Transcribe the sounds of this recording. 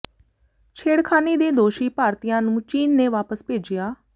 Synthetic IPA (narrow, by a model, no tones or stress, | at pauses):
t͡ʃʰeːɽkʰaːneːd̪eːd̪oːʃiːpaːɾt̪ijãːnũːt͡ʃiːnːeːʋaːpəspeːd͡ʒɪjaː